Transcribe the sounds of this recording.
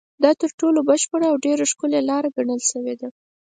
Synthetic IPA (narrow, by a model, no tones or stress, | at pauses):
d̪ɑt̪əɾʈolobəʃpəɽaawɖeɾoʃkʊlelɑɾaɡaɳəlʃəwed̪a